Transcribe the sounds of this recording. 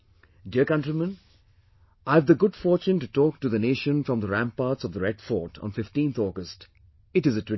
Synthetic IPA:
ɖiəɾkʌ̃ntɾimə̃n | ʔaɪvðəɡʊɖfɔːɾt͡ʃũnʈutɔːk̚ʈuðəneːʃə̃nfɹɔ̃mðəɾæ̃mpːaːɾʈsɔvðəɾɛɖfɔːʈʰɔ̰̃ːnfɪfʈĩːnt̪ʰɔːɡəst | ɨʈɪzətɪ

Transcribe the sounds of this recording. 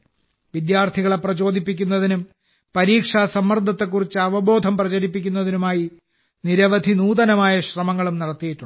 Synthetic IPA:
ʋid̪jaːrt̪ʰiɣɐɭeprɐt͡ɕo̞ːd̪ʱipːikʲːunːɐðinum | pɐɾiːkʂaːsɐmːɐrd̪ʱːɐt̪ːe̞kːurit͡ɕːɨɐʋɐbo̞ːd̪ʱɐmprɐt͡ɕɐɾipːikʲːun̪ːɐðinumaːji | niɾɐʋɐd̪ʱinuːðɐnɐmaːjɐɕrɐmɐŋːɐɭumnɐɽɐt̪ːijiʈːuɳː

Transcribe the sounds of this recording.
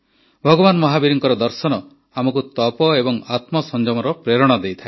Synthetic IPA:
bʱɔɡɔbanmɔɦabiɾiŋkɔɾɔd̪ɔɾsɔnɔ | amɔkut̪ɔpɔebɔŋat̪mɔsɔnd͡ʒɔmɔɾɔpɾeɾɔɽ̃ɔd̪ejt̪ʰae

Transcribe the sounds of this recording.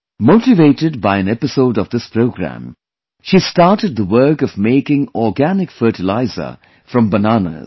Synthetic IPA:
moʈɪveɪʈɪd̚baɪɨ̃nɛpɪsoʊɖɔvd̪ɪspɾoʊɡɾæ̰̃m | ʃistɑːʈɨd̚d̪əwɜ˞kʌvmeɪkɪ̃ŋɔːɡænɪkfɜːʈɪlaɪzə̰˞ | fɾʌ̃mbənanə̰z

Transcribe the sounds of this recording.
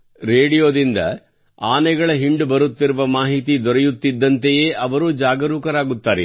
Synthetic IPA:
ɾeːɽijoːd̪ind̪ɐ̰ | aːnɛɡɐɭɐɦiɳɖubɐɾut̪ːiɾuʋɐmaːɦit̪id̪ɔɾɛjut̪ːid̪ːɐnt̪eje̞ːʔɐʋɐɾuːd͡ʒaːɡɐɾuːkɐɾaːɡut̪ːaːɾe

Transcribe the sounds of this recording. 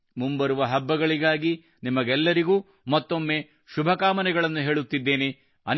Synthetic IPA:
mumbɐɾuʋɐɦɐbːɐɡɐɭiɡaːɡi | nimɐɡɛlːɐɾiɡuː | mɐt̪ːo̞mːe̞ː | ʃubʱɐkaːmɐnɛɡɐɭɐnːuɦe̞ːɭut̪ːid̪ːe̞ːne | ɐ̰n

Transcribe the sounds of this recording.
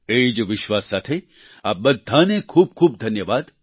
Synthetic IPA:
eːid͡ʒoʋɪʃʋaːsːaːt̪ʰe | aːbɐd̪ʱːaːnẽkʰuːb̚kʰuːb̚d̪ʱɐnjəʋaːd̪

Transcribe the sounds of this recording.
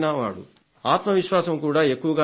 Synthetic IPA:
nɐʋaːɽṵ | aːt̪mɐʋiʃʋaːsɐmkuːɽaːe̞kːuʋɐɡaː

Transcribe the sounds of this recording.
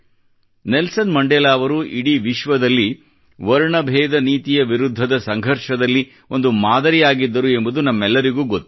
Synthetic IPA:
nelsɐnmɐɳɖɛlaːʋɐɾuʔiɽiʋiʃʋɐd̪ɐlːi | ʋɐɾɳɐbʱɛːd̪ɐniːt̪ijɐʋiɾud̪ʱːɐd̪ɐsɐŋɡʱɐɾʃɐd̪ɐlːi | o̞nd̪umaːd̪ɐɾijaːɡid̪ːɐɾue̞mbud̪unɐmːɛlːɐɾiɡuːɡot̪ː

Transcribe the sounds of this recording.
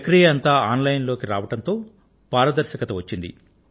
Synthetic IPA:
kɾijɐɐnt̪aːaːnlɐjnlo̞ːkiɾaːʋɐʈɐnt̪o̞ː | paːɾɐd̪ɐɾʃɐkɐt̪ɐʋɐt͡ʃːind̪ḭ

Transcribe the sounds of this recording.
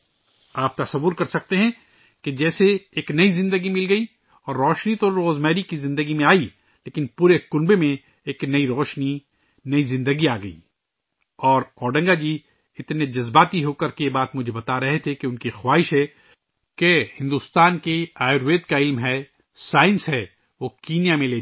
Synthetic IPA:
aːp̚t̪ɐsɐʋːʊɾkɐɾsɐk̚t̪eɦɛ̃ | ked͡ʒɛːseːknɐizɪ̃nd̪əɡimɪlɡɐi | ɔːɾːɔːʃnit̪oɾoːzmɛːɾikizɪ̃nd̪əɡimẽaːi | leːkɪnpuːɾekʊnbemẽ | eːknɐiɾɔːʃni | nɐizɪ̃nd̪əɡiaːɡɐḭː | ɔːɾɔːɖɐ̃ŋɡad͡ʒiː | ɪt̪ned͡ʒɐzbaːt̪iɦoːkɐɾkejebaːt̪mʊd͡ʒʱebɐt̪aɾɐɦet̪ʰekeʊnkixwaːɦɪʃɦɛ | kehɪ̃nd̪ust̪aːnkeaːɪɾʋeːd̪kaɪlmɦɛ | saːɪ̃nsɦɛ | ʋoːkiːnjamẽleː

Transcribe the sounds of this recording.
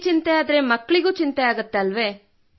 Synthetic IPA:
t͡ʃint̪ejaːd̪ɐɾemɐkːɭiɡuːt͡ʃint̪eaːɡɐt̪ːeɐlʋeː

